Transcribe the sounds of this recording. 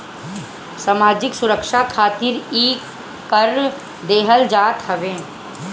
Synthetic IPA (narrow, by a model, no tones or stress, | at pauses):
samaːd͡ʒɪksʊɾəkʃakʰaːt̪ɪɾiː | kəɾ | d̪eːɦəld͡ʒaːt̪ɦəʋẽː